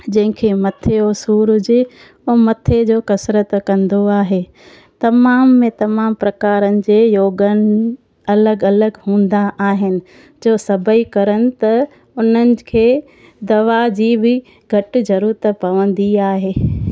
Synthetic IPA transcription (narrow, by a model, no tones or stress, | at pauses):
d͡ʑɐ̃ɦɪ̃kʰemɐt̪ʰeosuːɾd͡ʑɪ | ʊmɐt̪ʰed͡ʑoːkɐsɾət̪kɐ̃nd̪oaːɦeː | t̪ɐmaːmːẽt̪ɐmaːmpɾɐkaːɾənɪ̆d͡ʑeːjoːɡənɪ | ɐləɡɐləɡɦũːnd̪aʔaːɦɪnɪ̆ | d͡ʑoːsɐbʱəikɐɾənɪ̆t̪ɐ | ʊn̤ənɪ̆kʰeː | d̪ɐʋad͡ʑiːbɪ | ɡʱɐʈɪ̆zɐɾuːɾt̪əpɐʋə̃nd̪iaːɦeː